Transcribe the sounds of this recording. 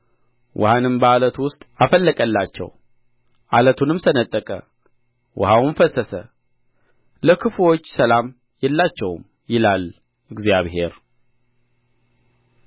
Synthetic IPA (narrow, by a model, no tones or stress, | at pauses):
wʔɔ̰hanɨmbəalət̪wʊst̪ʼafəlːəkʼəlːat͡ʃːɛ̰w | ʔalət̪ʰunɨmsənət̪ʼːəkʼə̰ | wʔɔ̰hawnfəsːəsə̰ | ləkʰɨfo̞t͡ʃːsəlam | jɛlːat͡ʃːɛwm | jɪlal | ʔɨɡzijaβhe̞ɾ